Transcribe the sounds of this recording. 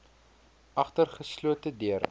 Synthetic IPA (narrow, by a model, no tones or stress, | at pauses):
ʔɐχtərχəsluətədiər